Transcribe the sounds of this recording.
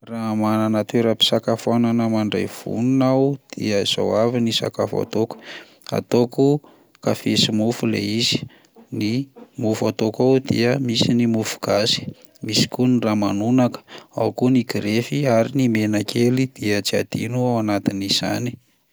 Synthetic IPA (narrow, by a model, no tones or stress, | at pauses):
ramananat̪eɾapi̥sakafananəmaɳɖ͡ʐa̰jv̥ṵnunawd̪̥iəz̥a̰wavinisa̰ka̰fa̰t̪oku̥ | a̰t̪oku | kafesimufulḛizi̥ | nimufat̪okawd̪ḭəmisinimufu̥ɡ̥asi̥ | misi̥kuniraːmanunakə̥a̰wkuniɡɾefiaɾinimenakʰelid̪̥iəd͡ʒia̰d̪̥inuawanat̪iniz̥a̰ni̥